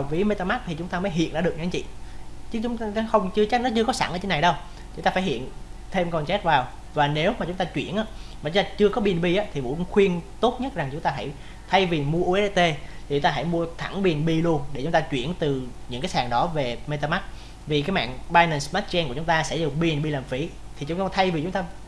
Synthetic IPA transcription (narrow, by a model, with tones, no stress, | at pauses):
wfi˨˦me˧t̪aː˧ma˦˥t̚t̪ʰi˨˩t͡ɕʊ˨˦ŋ͡mt̪aː˧məː˨˦jɦḭ˧˨ənʔɗ̰ːɗəkɲa˨˦ŋt͡ɕḭ˧˨t͡ɕːʊ˨˦ŋ͡mxə˧wŋ͡mt͡ɕɨ˧t͡ɕɛ˦˥t̚nɔ˨˦t͡ɕɨ˧əkɔ˨˦sa̰˧˩ŋʔəː˧˩t͡ɕe˨˦na˨˩jɗə˧w | t͡ɕʊ˦ŋ͡mt̪aː˧faː˧˩jhḭ˧˨ənt̪ʰe˧mkɔ˨˩nt͡ɕɛ˦˥t̚vaː˨˩w | vaː˨˩ne˨˦wmaː˨˩t͡ɕʊ˨˦ŋ͡mt̪aː˧t͡ɕwḭ˧˩ənʔaː˧˦maː˨˩t͡ɕŋ͡mt̪aː˧t͡ɕɨ˧əkɔ˨˦ɓi˨˩ənɓi˧ʔaː˨˦t̪ʰi˨˩mṵ˧˥˧xwi˧ənt̪o˦˥t̚ɲə˦˥t̚za˨˩ŋt͡ɕʊ˨˦ŋ͡mt̪aː˧ɦa̰˧˩j | t̪ʰa˧jvi˨˩mu˧əʔu˧ʔɛ˦˥˧t̪e˧t̪ʰi˨˩t͡ɕʊ˦ŋ͡mt̪aː˧ɦa˧˩jmu˧ət̪ʰa˧˩ŋɓi˨˩ənɓi˧lu˧ənɗe˧˩t͡ɕʊ˨˦ŋ͡mt̪aː˧t͡ɕwi˧˩ənt̪ɨ˨˩ɲɨ̰˧˥ŋkaː˨˦saː˨˩ŋɗɔ˨˦ve˨˩me˧t̪aː˧ma˦˥t̚ | vi˨˩kaː˨˦jma̰ː˧˨nɓaː˧jnə˨˩nsmaː˦˥t̚t͡ɕɛ˧nkət͡ɕʊ˨˦ŋ͡mt̪aː˧sɛ̰˧˥zu˨˩ŋɓi˨˩ənɓi˧laː˨˩mfi˨˦t̪ʰi˨˩t͡ɕʊ˨˦ŋ͡mt̪aː˧˦t̪ʰa˧jvi˨˩t͡ɕʊ˨˦ŋ͡mt̪aː˧